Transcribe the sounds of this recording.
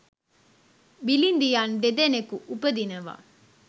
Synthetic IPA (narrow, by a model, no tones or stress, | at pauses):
bilind̪ijaːnɖ̪ed̪enekuʔubɐd̪inɐʋa̰ː